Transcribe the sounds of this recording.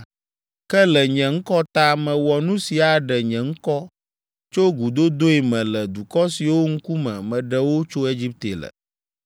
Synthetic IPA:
kɛ˦lɛ˨ɲɛ̃˨ŋ̩˦kɔ˦t̪a˦mɛ̃˨wɔ˨nũ˦si˨a˨ɖɛ˨ɲɛ̃˨ŋ̩˦kɔ˦ | t͡ʃo˦ɡu˨d̪o˦d̪o˦i˨mɛ̃˨lɛ˨d̪u˨kɔ˦si˨wo˦ŋ̩˦ku˦mɛ̰̃˨mɛ̃˨ɖɛ˨wo˦t͡ʃo˦e˦d͡ʑi˦p̚t̪e˨lə̰˨

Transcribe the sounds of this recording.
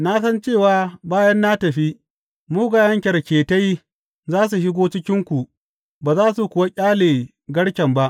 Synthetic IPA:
na˦sɐ˦nt͡ʃeː˦˨waː˨baː˦jɐ˦nːa˦tɐ˨ɸi˦ | muː˦ɡaː˨jɐ˦ŋkʲɐ˨rkʲeː˨ta˦j | zaː˦s̬u˨ʃɪ˦ɡʷoː˦t͡ʃɪ˦kʲɪ˦ŋkʷu˨ | baː˨zaː˦su˨kʷʊ˨wa˦kʲʼaː˦leː˨ | ɡɐ˦ɽkʲɐ˨mba˦ʔ

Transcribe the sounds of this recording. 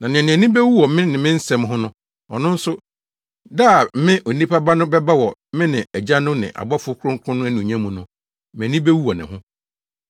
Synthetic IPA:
nã˨nɪ̃˨nɪ̃˨æ˨nĩ˦bɛ˦wu˦wɔ˨mɪ̃˦nɪ̃˨mɪ̃˦n̩˦sɛ˨mɦʊ̃˦nʊ̃˦ | ɔ˨nʊ̃˦n̩˦sʊ˦ | daː˦˨m̩˦mɪ̃˦ʔo˨nĩ˦pʰa˦ba˦nʊ̃˦bɛ˦ba˦wɔ˨˦mɪ̃˦nɪ̃˨æ˨d͡ʑa˦nʊ̃˦nɪ̰̃˨ʔa̰˨bɔ˦fʊ˦kʰʊ˦ɾʊ̃˦ŋkʷʰʊ̃˦nʊ̃˦æ˦nũ˨ɲã˦mũ˨nʊ̃˦ | m̃˨æ˨nĩ˦be˦wu˦wɔ˨nɪ̰̃˨ɦʊ̃˦

